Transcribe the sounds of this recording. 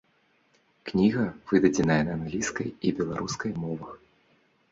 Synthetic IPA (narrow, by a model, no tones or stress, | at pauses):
knʲiɣɐv̥ɨd̪ɐd͡zʲɪnɐjɛnɐːnɣlʲiskɐjibʲɛlˠaɾuskɐjmɔvɐx